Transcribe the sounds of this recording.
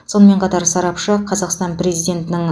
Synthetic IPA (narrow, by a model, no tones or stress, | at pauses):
so̞nəme̞ɴqʰɑt̪ɑɾsɑɾɑpʃəqʰɑzɑqst̪ɑnpɾe̞zijd̪ʲe̞nt̪ɪnɪŋ